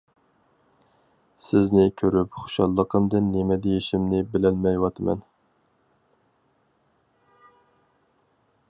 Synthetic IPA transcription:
sɪznɪkʲʰøɾypχo̥ʃɑlˠːəqʰəmd̪ɨnːɪmɛd̪ejiʃimnɪbɪlɛnmɛjwɑt̪ʰɨmɛ̰n

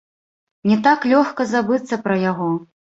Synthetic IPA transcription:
nʲɛt̪aklʲɔxkɐzabɨt̪sːɐpɾɐjaɣɔ

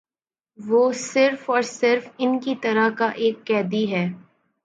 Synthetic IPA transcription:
ʋoːsɪɾfɔːɾsɪɾfɪnkit̪ɐɾakaʔeːkːɛːd̪iɦɛː

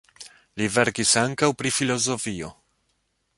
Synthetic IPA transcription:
live̞ɾkisaŋkawpɾifilo̞zo̞fio̞

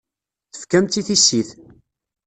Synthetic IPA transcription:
θəfkæmt̪ːiθisːiθ

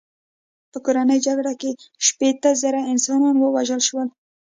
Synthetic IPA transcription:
pəkoɾanəjd͡ʒaɡɽakeʃpet̪əzaɾaɪnsɑnɑnwəwaʒəlʃwəl

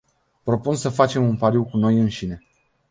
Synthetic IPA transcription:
pɾo̞punsəfat͡ʃe̞munpaɾiwkuno̞jɨnʃine̞

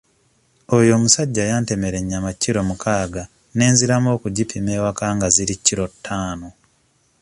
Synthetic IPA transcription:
ojo̞ːmusaɟːajaːnte̞me̞ɾe̞ɲːamacːiɾo̞mukʰaːɡa | ne̞ːnziɾamo̞ːkuɟipʰime̞ːwakaːŋɡaziɾicːiɾotʰːaːno̞

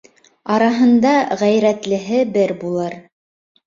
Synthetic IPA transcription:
ɑɾɑɦɤ̆nd̪ɑʁæjɾæt̪lɘ̆ɦɘbɘɾbulˠɤɾ

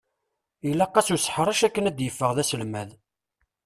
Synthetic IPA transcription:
ilːɑqːɑsusħɾˤɑʃækːənæd̪jəfːəʁðæsəlmæð

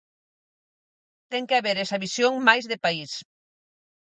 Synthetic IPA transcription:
t̪ɛŋkeaβeɾɛsaβisjoŋmajzðepais

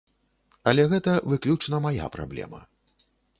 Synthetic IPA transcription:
ɐlʲɛɣɛt̪ɐvɨklʲut͡ʂnɐmaja̰pɾa̰blʲɛ̰mɐ̰

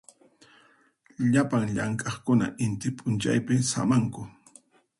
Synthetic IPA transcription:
ʎapaŋʎaŋkʼɑχkʊna̰ʔɪnt̪ɪpʼʊnt͡ʃa̰jpɪsa̰maŋkʊ

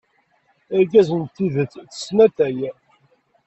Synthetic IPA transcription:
æɾɡæzənt̪ːiðət͡sːθə̥snæt̪æjæ

